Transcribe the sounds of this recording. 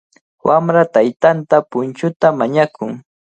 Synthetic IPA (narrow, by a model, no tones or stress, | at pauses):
wʔamɾat̪ajt̪ant̪apʊnt͡ʃʊt̪amaɲakʊŋ